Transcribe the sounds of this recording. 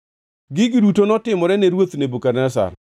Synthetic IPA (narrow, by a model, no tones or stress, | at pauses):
ɡɪɡidutonɔtɪmɔɾɛneɾwot̪nebukarnasa̰r